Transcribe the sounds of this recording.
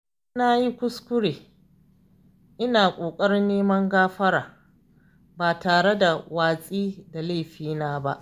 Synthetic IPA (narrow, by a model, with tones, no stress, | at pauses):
na˦ji˦kʷʊ˦skʷʊ˦ɽeː˨ | ʔɪ˦naː˨kʷʼoː˨kʼɐ˦ɾɪ˦nːeː˦mɐ˦ŋɡaː˦ɸɐ˦ɾaː˨ | baː˨taː˨ɽe˦da˨waː˨sʼiː˦da˨le˦˨ɸiː˦naː˦ba̰˦ʔ